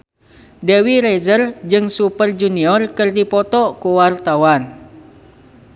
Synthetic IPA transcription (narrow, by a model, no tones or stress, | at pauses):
dɛwiɾezərd͡ʒɨŋsupərd͡ʒuniɔrkɨrdipɔt̪ɔkuwart̪awan